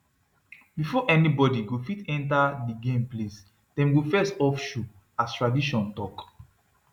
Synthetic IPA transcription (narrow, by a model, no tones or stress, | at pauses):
bifɔʔɛnibɔdiɡofitɛ̃ntadiɡẽmples | d̥ɛ̃mɡofɛstɔfʃu | astɹadiʃɔ̃ntɔk